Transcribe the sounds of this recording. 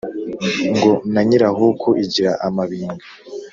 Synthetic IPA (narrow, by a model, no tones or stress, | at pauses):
ŋɡo̞naɲiɾaɦukʰoʔiɟiɾaʔamaβiːŋɡa